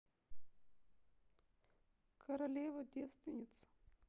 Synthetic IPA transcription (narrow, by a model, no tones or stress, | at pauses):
kʰɐɾɐlʲevədʲest̪vʲɪnʲɪt̪sə̥